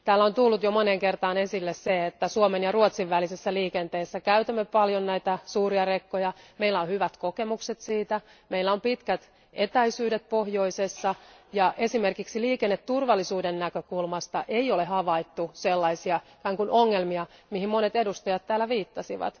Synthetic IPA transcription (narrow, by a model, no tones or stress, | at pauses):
t̪æːlːæont̪ulːut̪jomoneŋkert̪ɑːne̞silːesseet̪ːæsuomenjɑruot̪siʋʋælisesːæliːkent̪eːsːækæyt̪æmːepɑljonnæit̪æsuːriɑrekːojɑmeilːæonhyʋæt̪kokemukset̪siːt̪æmeilːæompit̪kæt̪ | et̪æisyːdet̪̚pohjoisesːɑjɑʔe̞simerkiksiliːkenːet̪t̪ːurʋɑlːisuːdennækøkulmɑst̪ɑʔeiolehɑʋɑit̪ːuselːɑisiɑkæːŋkunʔoŋːelmiɑmihimmonet̪edust̪ɑjɑt̪t̪ːæːlːæʋiːt̪ːɑsiʋɑ̰t̪